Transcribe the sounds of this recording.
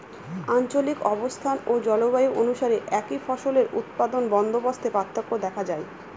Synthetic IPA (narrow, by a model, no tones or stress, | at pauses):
ant͡ɕolikɔbost̪ʰanod͡ʑɔlobajuʔonuʃaɾeʔɛkifɔʃoleɾṵt̪̚pad̪onbɔnd̪ʱobost̪ʰepat̪ʰːokːod̪ɛkʰad͡ʑae